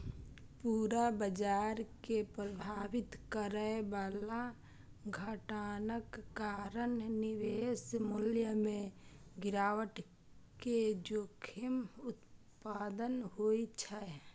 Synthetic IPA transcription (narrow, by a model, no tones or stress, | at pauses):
puːɾabəd͡ʒaːɾkepɾəbʱaːʋɪt̪kəɾəeʋaːla | ɡʱəʈaːnəkːaːɾənnɪʋeːsmʊljəmẽɡɪɾaːwəʈ | ked͡ʒoːkʰɪmʊt̪ | paːd̪ənɦoit͡ʃʰa